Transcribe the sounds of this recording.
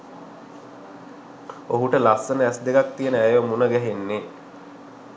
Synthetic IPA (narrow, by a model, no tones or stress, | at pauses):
oɦuʈəlasːənəæsd̪ekak̚t̪ijənəæjʋəmunəɡæɦenːe